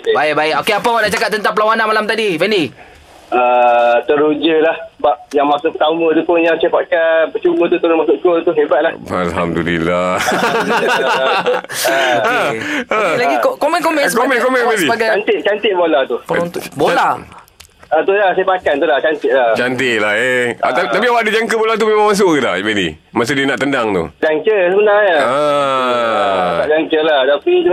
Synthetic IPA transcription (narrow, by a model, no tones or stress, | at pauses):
okebaibaɪʔokeapawaʔnaʔt͡ʃakat̪̚t̪ənt̪apəlawananmalamt̪adifɛndi | ət̪əɾud͡ʒəlahbap̚jaŋmasʊʔkət̪amə̃t̪upʊnjaŋsepaʔkanbət͡ʃumət̪ut̪əɾʊnmasʊʔkolt̪uɦebat̪̚laha̰lɦamdulḭla | əəlaɡikokomɛnkomɛkomɛ̃nkomɛ̃nmedibaɡaant̪ɪʔ̚t͡ʃant̪ɪʔ̚bolat̪upənt̪ʊʔbola | at̪ulasajpakant̪ulaht͡ʃant̪ɪʔlat͡ʃant̪iʔlaheat̪t̪ap̬iawaʔdid͡ʒaŋkəbolat̪umemãŋmas̬ukət̪abedḭ | mas̬uʔdiənaʔt̪əndaŋt̪ṵd͡ʒaŋkəsəbənaŋɲəə | aʔd͡ʒaŋkəlaht̪apit̪u